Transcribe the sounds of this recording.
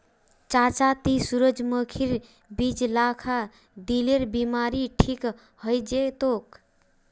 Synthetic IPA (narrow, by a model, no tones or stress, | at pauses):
t͡ʃat͡ʃat̪isuɾəd͡ʒməkʰiɾ | bid͡ʒlakʰa | d̪ileɾbimaɾiʈʰik | həjd͡ʒet̪ok